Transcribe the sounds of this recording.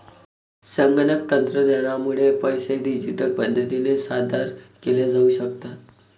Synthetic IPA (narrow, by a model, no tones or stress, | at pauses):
səŋɡənək̚t̪ənt̪ɾəd̪ənamuɭepəjseɖid͡ʑiʈək̚pəd̪ʱət̪inesad̪ʱaɾkeled͡zauɕəkt̪at̪